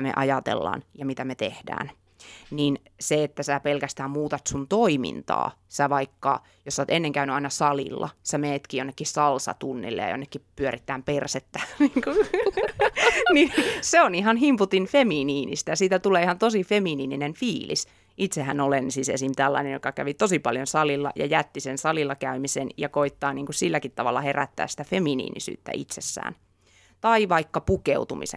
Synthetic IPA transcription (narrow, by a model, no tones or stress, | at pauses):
mḛʔɑjɑt̪ḛlːɑ̰ːnjɑmit̪æmet̪ehdæ̰ːn | nin | seet̪ːæsæːpelkæst̪æːmmuːt̪ɑt̪sunt̪oimḭnt̪ɑ̰ːsæʋɑikːɑ̰ | josːɑːt̪enːeŋkæynyɑinɑsɑlḭlːɑ̰sæmeːt̪kiːjonːekːisɑlsɑ̰t̪unːḭlːḛjɑ̰jo̰nːekːipyøɾit̪ːæːmperset̪ːæniŋku | ninseonihɑnhimput̪infemiːniːnḭst̪æjɑsiːt̪æt̪uleːihɑnt̪osifeminiːninenfiːlḭs | ʔit̪sehænolensisḛsint̪ælːɑ̰inenjokɑkæ̰ʋit̪osipɑljonsɑlilːɑ̰jɑ̰jæt̪ːisensɑlilːɑkæymisenjɑkoit̪ːɑːniːŋkussilːækit̪ːɑʋɑ̰lːɑheræ̰t̪ːæ̰ːssi̥t̪æfeminḭːnḭsy̰ːt̪ːæ̰ʔḭt̪sesːæ̰ːn | t̪ɑiʋɑikːɑpukeut̪umḭsḛ